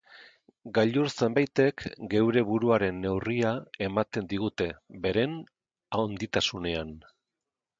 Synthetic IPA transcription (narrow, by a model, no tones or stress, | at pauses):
ɡaʎuɾt͡se̞mbajt̪e̞kɡe̞wɾe̞βuɾuaɾe̞nːe̞wriae̞mat̪e̞nd̪iɣ̞ut̪e̞be̞ɾe̞n | aond̪it̪asune̞an